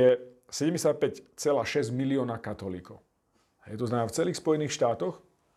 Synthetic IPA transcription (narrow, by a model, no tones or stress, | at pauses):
ɛ | sɛɟɛmɟɛsapɛct͡sɛlaːʃɛzɟmiliɔːnakat̪ɔlḭːkɔʊ | ɦɛjt̪ɔznamaːft͡sɛliːxspɔjɛniːxʃt̪aːt̪ɔx